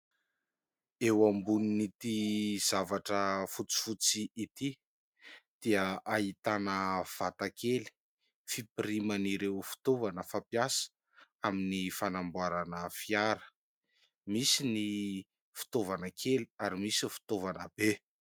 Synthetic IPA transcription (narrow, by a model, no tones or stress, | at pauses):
ewambuninit̪iz̥avaʈ͡ʂəfut͡si̥fut͡siʔit̪i | d̪̥iəait̪anəv̥at̪akeli̥ | fipiɾimaniɾewfi̥t̪ovanəfapjasə̥ | aminifanambuaɾanəfiaɾə̥ | misini | fu̥t̪ovanəkʰeliaɾimisifi̥t̪ovanəb̥e